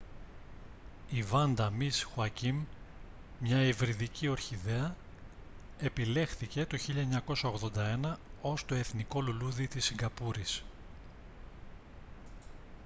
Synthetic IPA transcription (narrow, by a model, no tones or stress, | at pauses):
ivɐnd̪ɐmisxuɐcim | mɲɐivɾiðicio̞ɾçiðe̞ɐ | e̞pile̞xθice̞t̪o̞çiʎɐeɲɐko̞sɐo̞ɣðo̞nd̪ɐe̞nɐo̞st̪o̞e̞θniko̞luluðit̪isːiŋɡɐpuɾis